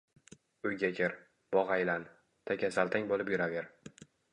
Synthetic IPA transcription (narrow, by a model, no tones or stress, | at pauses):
ʊjɡʲakʰʲeɾ | b̥ɒʁajlan | t̪ʰakʲasalt̪ʰaŋbolɪpjʊɾaveɾ